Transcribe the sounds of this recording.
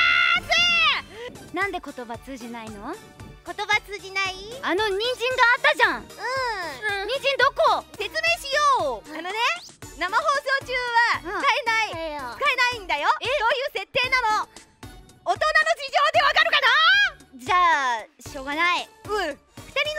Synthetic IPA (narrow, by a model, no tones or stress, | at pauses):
ase | nãnd̪e̞ko̞t̪o̞bat͡sɨːʑinaino̞ | ko̞t̪o̞bat͡sɨːʑinaiano̞ɲ̟ĩɲd͡ʑĩŋɡaːt̪ːaʑãŋɯ̃ | ɲĩɲd͡ʑĩnd̪o̞kose̞t͡sɨme̞ːɕijoːano̞ne̞ | namaɦo̞ːso̞ːt͡ɕɨːβaɨkaenait͡sɨ̥kaenaĩnd̪ajo̞o̞ːjɯ̟ːse̞t̪ːe̞ːnano̞ | t̪o̞nano̞d͡ʑiʑo̞ːd̪e̞βakaɾɯ̟kanad͡ʑaːɕo̞ːɡanaiɯ | ɸɯ̥t̪aɾʲi